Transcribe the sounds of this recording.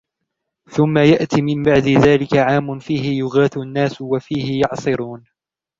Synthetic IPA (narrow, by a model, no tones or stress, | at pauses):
θʊmːajaʔt̪iːmɪmbaʕd̪ɪðaːlɪkaʕaːmːʊnfiːɦɪjʊɣaːθʊanːaːswafiːhɪjɑʕsˤɨɾuːn